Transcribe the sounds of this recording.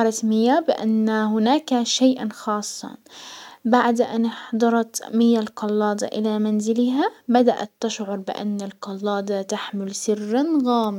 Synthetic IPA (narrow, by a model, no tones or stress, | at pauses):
ɾˤɑt̪mɪjːabɪʔa̰nːahʊnaːkaʃaːʔanxɑːsˤːɑ̰ | baʕd̪ʔa̰nɪħd̪ˤɑɾˤɑt̪mɪjːalqɑlːɑːd̪ˤɑ̰ʔɪ̰lamanzɪlɪɦabad̪aʔa̰t̪ːɪʃʕʊɾˤbɪʔa̰nːalqɑlːɑːd̪ˤɑt̪aħmɪlsɪrːanɣaːmɪ